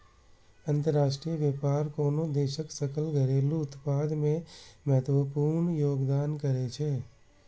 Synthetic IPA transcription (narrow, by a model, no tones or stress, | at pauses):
ɐ̃nt̪əɾːaːʃʈɾijəʋjepaːɾkoːnod̪eːʃəksɐkʰəlɡəɾeːluʊt̪paːd̪mẽmɛɦt̪wəpuːɾɳjoːɡd̪aːnkəɾet͡ʃʰeː